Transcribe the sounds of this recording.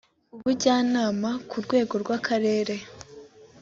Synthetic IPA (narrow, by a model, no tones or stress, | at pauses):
uβuɟaːnaːmakʰuɾɡwe̞ːɡo̞ɾɡwakʰaɾe̞ːɾe̞